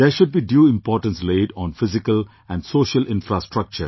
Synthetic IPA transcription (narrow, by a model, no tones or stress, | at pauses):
d̪̥eʃʊɖ̚biːɖjuːɪ̃mpɔːɾʈə̃nsleːɖɔ̃ːnfɪzɪkəl | æ̃ɳɖsoːʃəlʔɪ̃nfɾasʈɾʌk̚t͡ʃə̰ɾ